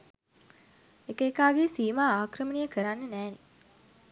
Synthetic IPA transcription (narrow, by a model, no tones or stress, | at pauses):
ekəːkaːɡesiːmaːaːkɾəmənijəkəɾanːənæːni